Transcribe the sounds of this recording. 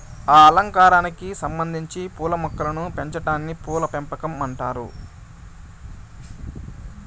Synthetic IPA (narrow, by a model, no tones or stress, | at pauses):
aːɐlɐŋkaːɾaːnikisɐmbɐnd̪ʱiɲt͡ʃipuːlɐmɔkːɐlɐnupe̞ɲt͡ʃɐʈaːnːipuːlɐpempɐkɐmɐɳʈaːɾṵ